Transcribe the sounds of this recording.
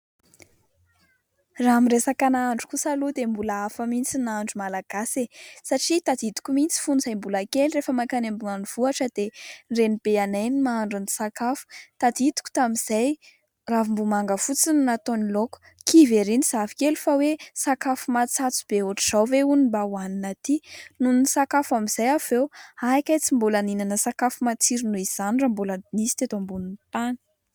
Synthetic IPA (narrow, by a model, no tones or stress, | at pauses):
ramiresakanaaɳɖ͡ʐu̥kusalud̪embulaafamint͡sinaɳɖ͡ʐumalaɡ̥asesaʈ͡ʂit̪ad̪id̪u̥kumint͡si̥funuzajmbulakelirefəmakanembuŋaniv̥uaʈ͡ʂəd̪̥enrenib̥eanajnimaaɳɖ͡ʐunisakafu̥t̪ad̪id̪u̥ku̥t̪amiz̥aj | ravimbumaŋɡəfut͡sinunat̪oniloku̥ | kʰiveɾiniz̥avikʲelufawesakafumat͡sat͡su̥b̥eoʈ͡ʂuz̥awveunibawaninat̪inunnisakafamiz̥ajav̥ewakʲajt͡simbulaninanəsakafumat͡siɾinuiz̥anramboləinisi̥t̪et̪ambunint̪anə̥